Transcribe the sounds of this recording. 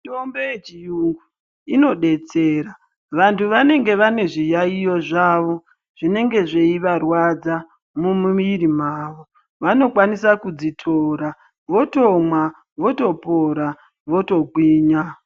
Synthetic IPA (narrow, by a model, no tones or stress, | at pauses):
tombeet͡ʃijuu | ino̞ɗe̞t͡seːra | ʋantʰuʋane̞ŋɡe̞ʋane̞ʐijaijo̞ʐaːʋo̞ | ʐ̥ine̞ŋɡe̞ʐe̞iʋarwad͡za | mumuʋiɾimaːʋo̞ | ʋano̞kwanisakud͡zitʰoɾa | ʋo̞to̞mwa | ʋo̞to̞po̞ɾa | ʋo̞to̞ɡʱwiːɲa